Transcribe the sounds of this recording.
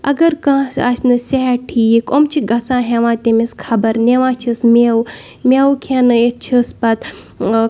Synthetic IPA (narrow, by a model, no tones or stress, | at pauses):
ɐ̰ɡɐɾkãːsasnɨseɦʈʰiːjikomt͡ʃʰiɡɐsãːɦẽʋãːt̪emiskʰɐbɐɾneʋãːt͡ʃʰismew | mʲewkʰenɨet͡ʃʰispɐt̪